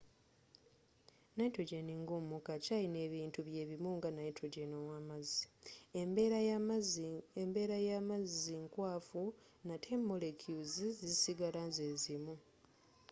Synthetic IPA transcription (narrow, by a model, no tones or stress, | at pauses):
naitoɟeniŋɡumukacajine̞ːβiːntuβje̞ːβimuŋɡanajitʰɾoɟenowamazi̥ | embe̞ɾajamaziŋkwaːfu | natʰe̞mːo̞le̞kjuzizizisiɡalanzeːzimu